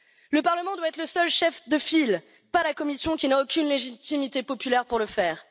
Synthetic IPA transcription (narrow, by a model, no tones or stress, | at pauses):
ləpaʁləmɑ̃d̪waɛt̪χləsœlʃɛfd̪əfil | palakɔmisjɔ̃kʲinaokʲynleʒit̪imit̪epɔpylɛʁpuʁləfɛːʁ